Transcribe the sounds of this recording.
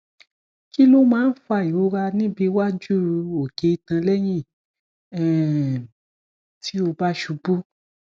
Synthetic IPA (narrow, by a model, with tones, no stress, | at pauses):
ki˦lo˦mãː˦n̩˦fa˧˨i˨wo˨˦ɾa˧nĩ˦bi˧wa˦d͡ʒu˦o˨ɡe˨˧˦i˧tã˧lɛ˦j̃ĩ˦˨ | ɛ˨ | tʰi˦o˧ba˦ʃu˧bu˦